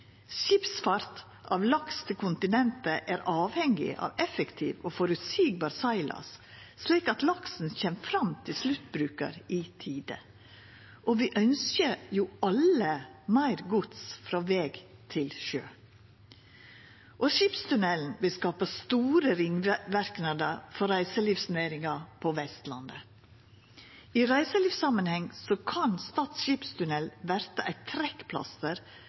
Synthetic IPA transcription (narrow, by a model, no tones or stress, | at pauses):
ʃɪpsfɑɾt̪ | ɑ̰ːʋlɑkst̪ʰɪlkʰʊnt̪ɪnɛnt̪əʔæːɾɑːʋhɛŋɡɪ̰ʔɑ̰ːʋɛfəkt̪ʰiːʋoːfɔɾʉt̪siːɡ̚bɑːɾsɑɪlɑ̰s | sliːkɑt̪lɑksn̩çɛːmfɾɑmt̪ʰɪlslʉt̪bɾʉːkə̰ɾiːt̪ʰiːd̪ə̰ | ʔoʋiːʔœnskəjuːʔɑləmæɪɾɡʊt̪sfɾɑːʋɛːɡt̪ʰɪlʃøː | ʔɔʃiːpst̪ʉnɛln̩ʋɪlskɑːpəst̪uːɾəɾɪŋʋæɾknɑd̪əɾfɔɾæɪsəliːʋsneːɾɪŋɑɾpʰɔʋɛst̪lɑ̰nd̪ə | iɾæɪsəliːʋsɑmənhɛŋsɔkʰɑnst̪ɑːt̪sʃiːpst̪ʉnɛlʋæɾt̪əʔæɪt̪ʰɾɛkpʰlɑ̰st̪əɾ